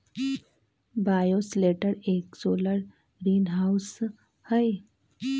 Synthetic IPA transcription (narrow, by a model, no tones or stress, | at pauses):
bajosleʈəɾeksoləɽ | ɾinɦaws | həj